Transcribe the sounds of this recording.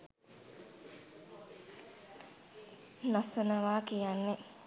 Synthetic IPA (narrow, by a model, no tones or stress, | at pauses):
nasunəʋaːkijanːe